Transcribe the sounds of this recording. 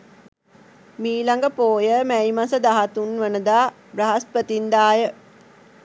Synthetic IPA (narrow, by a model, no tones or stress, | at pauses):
miːlaŋɡəpoːjəmæjmasəd̪aɦat̪unʋənəd̪aː | braɦaspət̪ind̪aːjə